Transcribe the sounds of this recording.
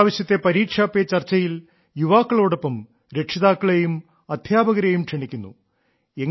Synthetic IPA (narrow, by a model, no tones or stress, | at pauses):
ʋɐɕjɐt̪ːe̞pɐɾiːkʂaːpːeɐt͡ɕɐrt͡ɕːɐjil | juʋaːkːɐɭoːɽo̞pːɐm | ɾe̞kʂɐðaːkːɐɭejum | ɐd̪ʱjaːbɐɣɐɾejumkʂeɳikʲːunːṵ | eŋː